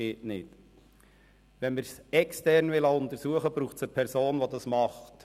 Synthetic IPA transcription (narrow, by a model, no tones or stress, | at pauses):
eːtnɪt | ʋɛnməɾsɛkstɛrnʋɪlɑʊnt̪əɾsuəχəbɾuːχtsəpʰɛɾsoːnʋɔd̪ɑsmɑχt